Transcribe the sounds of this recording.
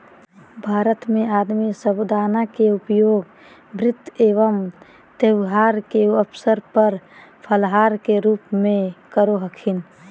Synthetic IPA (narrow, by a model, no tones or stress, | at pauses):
bʱaːɾət̪mẽaːd̪misəbd̪aːnakeʊpjoːɡ | bɾɪt̪ːeːʋəm | t̪ewɦaːɾkeəpʰsəɾpəɾpʰəlɦaːɾkeɾuːpmẽkəɾoɦəkʰɪn